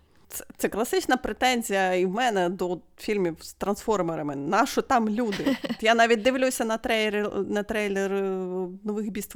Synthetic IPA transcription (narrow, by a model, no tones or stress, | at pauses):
t̪sɛt̪sɛklˠɐsɪt͡ʃnɐpɾet̪ɛnʲzʲijɐiwmɛnɛd̪ɔ | fʲilʲmʲiwst̪ɾɐnsfɔrmeɾɐmɪnɑʃɔt̪ɑmlʲud̪ɪɔt̪janɑʋʲit̚ʲd̪ɪʋlʲusʲɐnɐt̪ɾɛjɾɪnɐt̪ɾɛjlʲernɔʋɪxbʲist̪